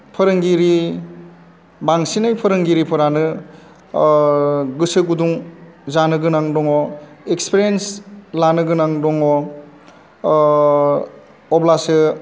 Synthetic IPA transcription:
pʰɯɾɯŋɡiɾi | baŋsinɯjpʰɯɾɯŋɡiɾipʰɯɾanɯ | ɡɯsɯɡuduŋzanɯɡɯnaŋdɔŋɔ | ekspiɾienslanɯɡɯnaŋdɔŋɔ | ɔblasɯ

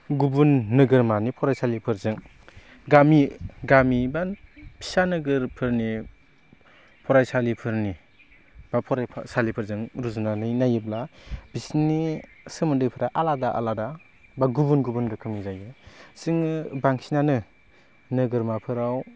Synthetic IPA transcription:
ɡubunːɯɡɯɾmanipʰɔɾajsalipʰɯɾzɯŋ | ɡamiɡamibapʰi̥sanɯɡɯɾpʰɯɾni | pʰɔɾajsalipʰɯɾni | b̥apʰɔɾajpʰsalipʰɯɾzɯŋɾuzunanɯjnajɯblab̥isni | sɯmɯdɯjpʰɯɾaʔaladaʔa̰lada | baɡubunɡubunɾɯkʰɯmnizajɯsiŋbaŋsʰinanɯ | nɯɡɯɾmapʰɯɾaw

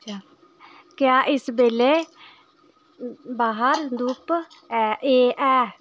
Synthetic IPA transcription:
t͡ʃaː | kjaːʔɪsbeːleː | baːɦəɾd̪uːpː | eːʔɛː

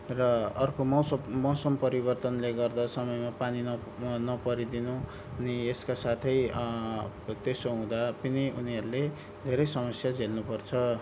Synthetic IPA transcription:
rʌʌrkomʌwmʌwsʌmpʌɾibʌrt̪ʌnleɡʌrd̪asʌmʌjmapanin | nʌpʌɾid̪inu | ʌnieskasat̪ʰʌj | t̪esoɦũd̪apiniuniɦʌɾule | d̪ʱeɾʌjsʌmʌsjad͡zelnupʌrt͡sʰʌ

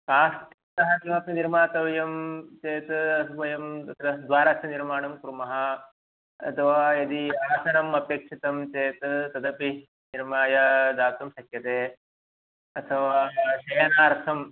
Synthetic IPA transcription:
kaːst̪ | t̪ɐɦɐkimɐpniniɾmaːt̪ɐʋɐjɐmt͡ʃeːt̪ɐsubɐjɐmt̪ɐt̪ɾɐd̪ʋaːɾaːsɐniɾmaːɳɐmkɾumɐɦɐ | ɐ̰t̪ʰɐʋaːjɐd̪iaːsɐnɐmɐpjeːkʂit̪ɐmt͡ʃeːt̪t̪ɐd̪ɐpi | niɾmaːjɐd̪aːpt̪ɐmʃɐkjɐt̪eː | ɐt̪ʰɐʋaːʃɐjɐnaːɾt̪ʰɐm

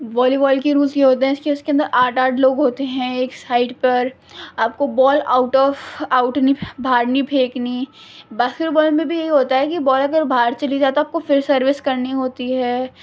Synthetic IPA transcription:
ʋɔːlibɔːlkiɾuːlzjeɦoːt̪̬eɦɛ̃ɪskeʊskeɐ̃nd̪əɾʔaːʈaːɖloːɡɦoːt̪eɦɛ̃eːksaːɪɖpɐɾ | aːp̚kobɔːla̰ːʊʈɔːfaʊʈnibʱaːɾnipʰeːknibaːsɪɾbɔːlmẽbʱijɐɦiɦoːt̪aɦɛkibɔːlɐɡəɾbʱaːɾt͡ʃɐlid͡ʒaːt̪oaːp̚kofɪɾsɐɾʋɪskɐɾniɦoːt̪iɦɛː

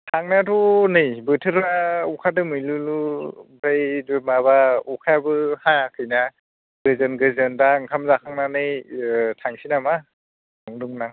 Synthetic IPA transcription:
tʰaŋnatʰunɯjbɯtʰɯɾaukʰadɯmɯjlɯlubajdɯmabaukʰabɯhakʰɯjna | ɡɯzɯnɡɯzɯndaŋkʰamzakʰaŋnanɯjtʰaŋsinama | nɔŋdɯŋnaŋ

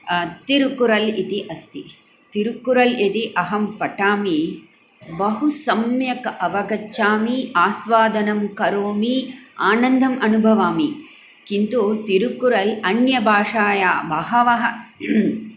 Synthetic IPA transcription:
t̪iɾukuɾɐlit̪iʔɐst̪ḭ | t̪iɾukːuɾɐlet̪iʔɐɦɐmpɐʈaːmi | bɐɦusɐmjɐkɐʔɐʋɐɡɐt͡ʃːaːmiaːsʋaːd̪ʱɐnɐmkɐɾoːmiaːnɐnd̪ʱɐmʔɐnubʱɐʋaːmi | kint̪ut̪iɾukuɾɐlɐnjɐbʱaːʂaːjaːbɐɦɐʋɐɦɐ̆

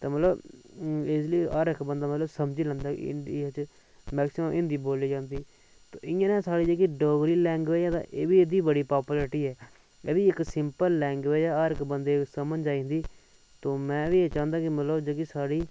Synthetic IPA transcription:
t̪eːmət̪ləb | ɪsliaːɾɪkbənd̪aːmət̪ləbsəmd͡ʒiːlə̃ːnd̪aːɪ̰nit͡ʃ | mɛːksɪmõːʔɪ̃nd̪iːboːliːd͡ʒãːnd̪iː | t̪oːʔɪãːnẽːsaːɽiːd͡ʒekiːɖoːɡɾiːlɛ̃ːŋɡʋeːãːd̪ã̰ːʔeːʋiːed̪iːbəɽiːpaːpuːləɾʈiːɦɛː | ḛd̪iːɪksɪmpəlːɛ̃ːŋɡʋeːjaːaːɾɪkbənd̪eːsəmənd͡ʒaːĩːnd̪iː | t̪oːmɛ̃ːʋiːeːt͡ʃãːnd̪aːkɪmət̪ləbd͡ʒəːkiːsaːɽiː

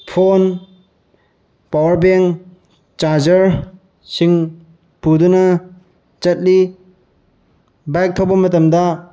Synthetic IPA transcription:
pʰon | pawɐɾbeŋ | t͡ʃaɾd͡ʒɐɾ | siŋ | pudunɐ | t͡ʃɐt̚li | bajk̚tʰobɐmɐtɐmdɐ

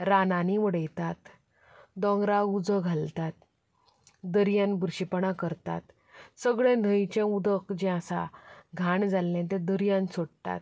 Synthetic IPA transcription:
ɾananiʋəɽəjt̪at̪ | d̪ɔ̃ŋɡɾaud͡zəɡʱalt̪at̪̚ | d̪əɾjanbɾɕipɳakəɾt̪a̰t̪ | səɡɭɛ̃n̤əjt͡ɕɛ̃ud̪əkd͡ʑɛ̃asa̰ɡʱaɳd͡zalːɛ̃t̪̬ɛ̃d̪əɾijãnsoɽt̪a̰t̪̚

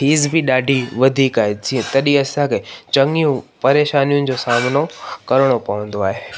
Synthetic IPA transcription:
ɦiːzbɪɗaːɖʱiʋɐd̪ʱiːkaːɦed͡ʑiːɐ̃t̪ɐɗiɐsãkʰeːt͡ɕɐ̃ŋijũpɐɾeːʃaːnijʊ̃nɪ̆d͡ʑosaːmɪnokɐɾəɽ̃opɐʋə̃nd̪oaːɦeː

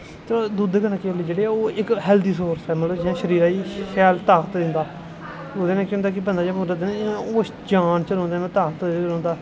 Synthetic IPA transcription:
t̪ʰoaːd̪ud̪kənãkeəliːd͡ʒeːɽeːaoːɪkɦɛːld̪iːsoːɾsɛːmələbd͡ʒãːʃəɾiːɾaːiːkʰɛːlt̪aːkt̪d̪ɪ̃nd̪aː | oːd̪eːnɛ̃ːkjʊ̃nd̪aːk̬ɪpənd̪aːd͡ʒmʊɾəd̪eːñːoː | d͡ʒaːnt͡ʃəlõːnd̪eːnːt̪aːt̪lõːnd̪aː

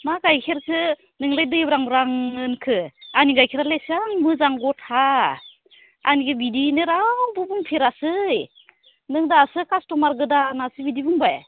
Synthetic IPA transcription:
maɡajkʰeɾkʰɯ | nɯŋlajdɯjbɾaŋɾaŋɯnkʰɯaniɡajkʰiɾalesaŋmɯzaŋɡɔtʰha | a̰nikʰɯbidinɯɾambubuŋpʰiɾasɯj | nɯŋdasɯkʰastɔmaɾɡɯdanasɯbidibuŋbaj

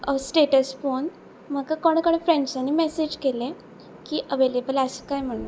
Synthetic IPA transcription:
əsʈeʈəspoɳ | məkakɔɽ̃kəɽ̃ẽfɾẽɳɖsanːiːmɛsed͡ʑkele | kiːʔəʋelebələsəkajm̤əɽ̃u

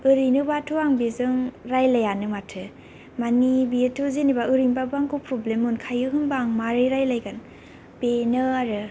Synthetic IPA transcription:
ɯɾinɯbatʰuaŋbezɯŋɾajlajanɯmatʰɯ | manibietʰɯzenibaɯɾinbabɯaŋkupɾɔblemɯnkʰajɯɦɯnbaŋmaɾɯjɾajlajɡan | benɯaɾɯ

